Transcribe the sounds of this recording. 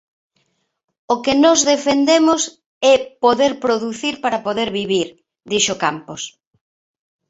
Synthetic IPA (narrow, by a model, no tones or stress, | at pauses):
okenɔzðefend̪emos | ɛpoðeɾpɾoðuθiɾpaɾapoðeɾβiβiɾ | d̪iʃokampos